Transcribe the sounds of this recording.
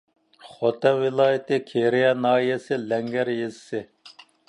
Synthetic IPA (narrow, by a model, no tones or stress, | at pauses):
χot̪ɛnwɪlˠɑːjɪt̪ɪkʲʰeɾijɛnɑːijɛsɪlɛŋɡʲæɾjezɪ̥sɪ